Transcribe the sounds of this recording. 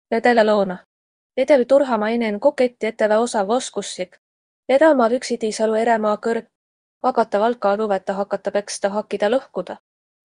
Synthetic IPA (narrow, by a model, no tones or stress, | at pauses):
ve̞d̪elelo̞ːnɑ | et̪elit̪uɾɦɑmɑinenkokːˑet̪ʲˑːiet̪ːeveo̞sɑvoskusːik | eɾemɑːvyksit̪isɑlue̞ɾemɑːkɤrk | vɑkɑt̪ːˑɑvɑlkːˑɑluvet̪ːˑɑɦɑkːˑɑt̪ːˑɑpe̞kst̪ɑɦɑkːˑid̪̥ɑlɤhkud̪̥ɑ